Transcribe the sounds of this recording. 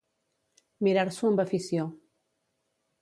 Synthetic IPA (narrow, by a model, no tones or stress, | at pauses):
miɾaɾsuəmbafisjo